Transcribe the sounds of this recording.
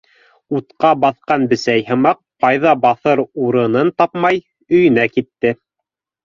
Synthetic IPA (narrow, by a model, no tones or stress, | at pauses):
ut̪qɑbɑθqɑnbɘ̆sæjhɤ̆mɑq̚qɑjðɑbɑθɤɾuɾɤ̆nɤnt̪ɑpmɑj | ɵ̆jɘ̆nækit̪ːɘ